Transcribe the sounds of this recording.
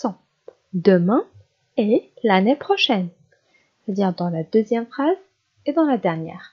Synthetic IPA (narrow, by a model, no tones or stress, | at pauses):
sɔ̃ | d̪əmɛ̃ | elanepχɔʃɛn | set̪ad̪iʁd̪ɑ̃lad̪øzjɛmfχaz | ed̪ɑ̃lad̪ɛʁnjɛ̰ːʁ